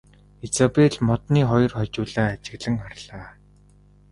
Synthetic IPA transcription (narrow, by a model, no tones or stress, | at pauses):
et͡sapeɮmɔt̪niːχɔjɞ̆rχɔt͡ɕʊːɮaːt͡ɕɪ̆ɣɮə̆ŋχarɮaː